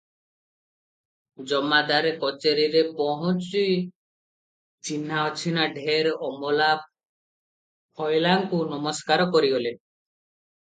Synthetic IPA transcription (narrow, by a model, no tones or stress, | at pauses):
d͡ʒɔmːad̪aɾekɔt͡ʃeɾiɾepɔɦũt͡ʃuj | t͡ʃinɦaɔt͡ʃʰinaɖʱeɾɔmɔlap̚ | pʰɔjlaŋkunɔmɔskaɾɔkɔɾiɦole